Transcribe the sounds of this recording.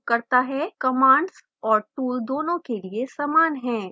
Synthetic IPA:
kɐɾt̪aɦɛkɐmaːɳɖs | ɔːɾʈuːld̪oːnõkeliesaːmaːnɦɛ̃ː

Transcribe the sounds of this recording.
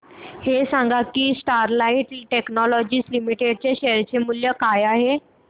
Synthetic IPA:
hesãŋɡakiːsʈaɾlaiʈʈeknɔlɔd͡ʑiːslimiʈeɽ̚t͡ɕeɕeɾt͡ɕemuljəkajaɦe

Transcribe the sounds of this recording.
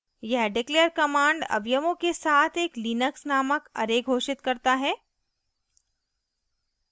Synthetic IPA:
jɛɦɖɪkleːəɾkɐmãːɳɖɐ̰ʋjəmõkesaːt̪ʰeːkliːnəksnaːməkɐ̰ɾeːɡʱoːʃɪt̪kɐɾt̪aɦɛː

